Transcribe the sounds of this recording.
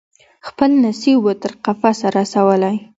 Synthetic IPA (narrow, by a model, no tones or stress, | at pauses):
xpəlnasibwət̪əɾqafasaɾasawəlaj